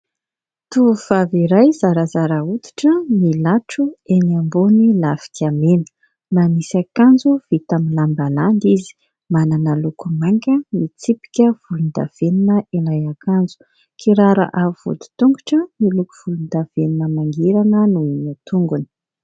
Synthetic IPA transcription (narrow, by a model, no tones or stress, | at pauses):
t̪uv̥aviɾajzaɾazaɾaut̪i̥ʈ͡ʂəmilaʈ͡ʂuenambonilafi̥t̪iamenə̥ | mamisakand͡zuv̥it̪aminlambaland̪izi̥ | mananəlukumaŋkəmit͡sipi̥kʲəv̥ulund̪a̰v̥eninəʔinajakand͡zu̥ | kʰiɾaɾa̰ʔav̥ṵd̪i̥t̪uŋɡuʈ͡ʂəmilukuv̥ulund̪av̥eninəmaŋɡiɾanənuinət̪uŋɡuni̥